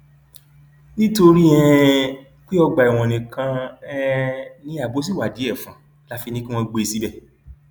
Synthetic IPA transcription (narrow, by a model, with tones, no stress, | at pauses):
nĩ˦to˧ɾi˦ɛ̃˧ | k͡pi˦ɔ˧ɡ͡ba˨i˨w̃ɔ̃˨nĩ˨kã˧ɛ˧˦nĩ˦a˦˨bo˨˦s̬i˦˨wa˨di˨˦ɛ˦˨fã˨˦ | la˨˦fi˧nĩ˦ki˦w̃ɔ̃˧ɡ͡be˧i˧si˨˦bɛ˦˨